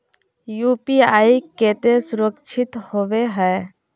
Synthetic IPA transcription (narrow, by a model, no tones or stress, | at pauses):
juːpiaːiket̪esʊɾəkt͡ʃʰɪt̪howeɦɛː